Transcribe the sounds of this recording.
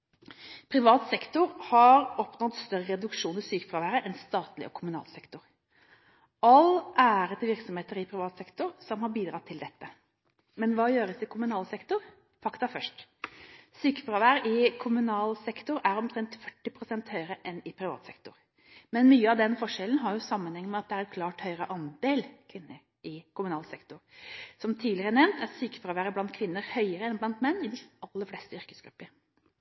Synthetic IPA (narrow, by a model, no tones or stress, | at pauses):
pʰɾɪʋɑːt̪sɛkt̪ʊɾhɑɾɔpnɔd̪st̪œɾəɾɛd̪ʉkʂuːnɪsyːkəpɾɑːʋæːɾəʔɛnst̪ɑːt̪lɪ̰ʔɔ̰kʰʊmʉnɑ̰ːlsɛkt̪ʊɾ | ɑlʔæːɾət̪ʰɪʋɪɾksɔmheːt̪əɾɪpʰɾɪʋɑːt̪sɛkt̪ʊɾsɔmhɑɾbiːd̪ɾɑt̪ʰːɪld̪ɛt̪ːə | mɛnʋɑːjøːɾəsɪkʰʊmʉnɑːlsɛkt̪ʊɾ | fɑkt̪ɑfœʂʈ | syːkə̥fɾɑːʋæːɾʔɪkʰʊmʉnɑːlsɛkt̪ʊɾæɾɔmk̪ʰɾɛnt̪fœʈːɪpʰɾʊsɛnt̪hœʏəɾəʔɛnɪpʰɾɪʋɑ̰ːt̪sɛkt̪ʊɾ | mɛnmyːəɑʋd̪ɛnfɔʂɛlən̩ɦɑɾjʊsɑmːənhɛŋːəmɛɑt̪̚d̪ɛæɾɛt̪̚kʰlɑːʈhœʏɾəʔɑnd̪eːlkʰʋɪnːəɾ | ʔɪkʊmʉnɑːlsɛkt̪ʊɾsɔmt̪ʰiːlɪɾəɳɛmnt̪æɾsyːkə̥fɾɑʋæːɾəblɑnt̪kʰʋɪnːəɾhœʏəɾəɛnblɑnt̪mɛnːɪd̪ɪɑlːəflɛst̪əʏɾkəsɡ̥ɾʉpːəɾ